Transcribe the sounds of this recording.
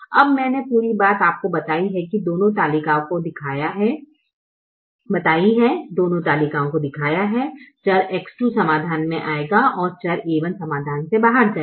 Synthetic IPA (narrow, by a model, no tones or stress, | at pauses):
ɐ̰bmɛ̃ːnepuːɾibaːt̪aːp̚kobɐt̪aːiɦɛkid̪oːnõt̪aːlikaːõkod̪ɪkʰaːjaɦɛ | bɐt̪aːiɦɛd̪oːnõt̪aːliːkaːõkod̪ɪkʰaːjaɦɛt͡ʃɐɾeːksʈusɐmaːd̪ʱaːnmẽʔaːeɡaʔɔːɾt͡ʃɐɾeːʋənsɐmaːd̪ʱaːnsebaːɦəɾd͡ʒaː